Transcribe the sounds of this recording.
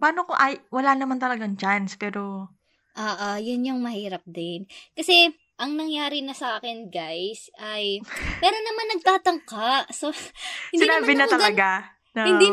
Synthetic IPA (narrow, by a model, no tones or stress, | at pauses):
paːnokoʔɐjwɐlanɐmant̪ɐlɐɡaŋt͡ʃanspɛːɾo̞ | ʔoːʔajʊnjʊŋmɐhiːɾɐp̚d̪ɪnkɐsɛ | ʔɐŋnɐŋjaːɾɪnɐsɐaːkɛnɡajsɐjmɛːɾonɐmanːɐɡ̚t̪aːt̪ɐŋkaʔsoɪndsɪinaːbɪnɐmt̪ɐlɐɡa | nɐhɪni